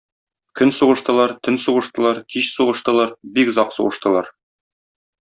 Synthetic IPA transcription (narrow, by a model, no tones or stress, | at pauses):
kɵnsuʁɤ̆ʃt̪ɤ̆lˠɑɾt̪ʰɵnsuʁɤ̆ʃt̪ɤ̆lˠɑɾkiɕsuʁɤ̆ʃt̪ɤ̆lˠɑɾbikzɑqsṵʁɤ̆ʃt̪ɤ̆lˠɑɾ